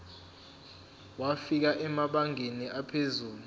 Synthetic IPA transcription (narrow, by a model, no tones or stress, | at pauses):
wafik̬aʔɛmaɓaŋeniʔapʰezuːlu